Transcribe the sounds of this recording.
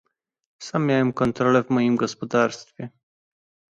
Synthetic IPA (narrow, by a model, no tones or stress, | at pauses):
samːʲjawɛmkɔnt̪ɾɔlɛvmɔjimɡɔspɔd̪aɾst̪fʲjɛ